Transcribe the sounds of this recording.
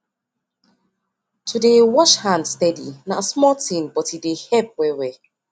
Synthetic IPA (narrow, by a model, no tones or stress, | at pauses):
tʰudewɔʃhãndstɛdḭnasmɔtĩnbɔtidehɛp̚wɛwɛ